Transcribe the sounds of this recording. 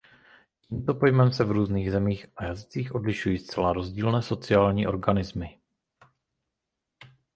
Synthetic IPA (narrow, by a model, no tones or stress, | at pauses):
ciːmt̪o̞po̞jmɛmsɛvɾuːzniːɣzɛmiːxajazɪt͡siːxʔo̞dlɪʃujiːst͡sɛlaɾo̞zɟiːlnɛːso̞t͡sɪaːlɲiːʔo̞ɾɡanɪzmɪ